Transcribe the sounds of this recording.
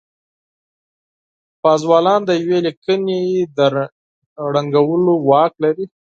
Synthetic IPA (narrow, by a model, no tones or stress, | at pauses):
pɑzwɑlɑnd̪əjawelikəned̪ə | ɽaŋɡawəlowɑklaɾi